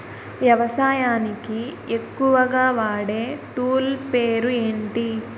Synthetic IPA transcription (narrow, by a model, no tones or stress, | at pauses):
ʋjɐʋɐsaːjaːnikiekːuʋɐɡaːʋaːɽeːʈuːlpeːɾueːɳʈi